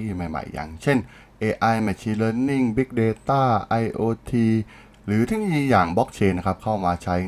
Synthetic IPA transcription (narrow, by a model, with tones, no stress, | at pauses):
i˥˧˩ma˧˩jma̰˨˩jːa̰˨˩ŋt͡ɕʰe˥˩n | ʔeː˧ʔa˧jmɛ˧˩t͡ɕʰiː˧lɤː˧nːi˥˩ŋbi˦˥k̚deː˧t̪aː˥˩ʔa˧jʔoː˧t̪ʰiː˧ | ɾɯː˩˦t̪ʰɯ˥˩ŋjiː˧jaː˨˩ŋbɔ˦˥k̚t͡ɕʰeː˧nːa˦˥kʰa˦˥p̚kʰa˥˩wmaː˧t͡ɕʰa˦˥